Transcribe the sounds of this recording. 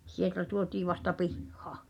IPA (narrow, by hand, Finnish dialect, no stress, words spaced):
sieltæ tuotiː ʋɑstɑ pihːɑ̥ˑ